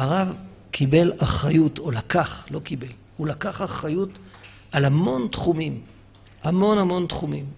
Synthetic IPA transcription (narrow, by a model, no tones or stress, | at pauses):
aʁav | kʰibe̞laχʁajuto̞lakaχlo̞kibe̞l | ulakaχaχajut | alhamo̞nt̪χumim | hamo̞nhamo̞nt̪χumim